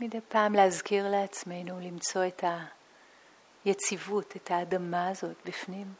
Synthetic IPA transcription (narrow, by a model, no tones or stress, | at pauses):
midejpaːmleazkiʁleat͡sme̞jnulimt͡so̞etʰa | jet͡sivutʰetaːdamaːzo̞tbifnim